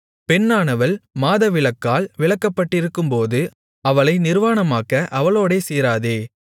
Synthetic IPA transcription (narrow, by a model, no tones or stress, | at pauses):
pɛnːaːɳɐʋɐlmaːðɐʋɪɭɐkːaːlʋɪɭɐkːɐpːɐʈːɪɾɯkːɯmpoːðɯ | ɐʋɐɭɐɪnɪɾʋaːnɐmaːkɐʔɐʋɐɭoːɽeːseːɾaːðeː